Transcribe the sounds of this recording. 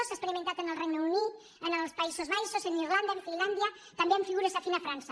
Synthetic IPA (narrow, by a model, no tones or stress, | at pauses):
osekspeɾimẽnt̪at̪enelrejnuunit | enelspaisozβajsoseniɾland̪aẽɱfiland̪ja | t̪ambjeɱfiɣuɾesafinafɾansa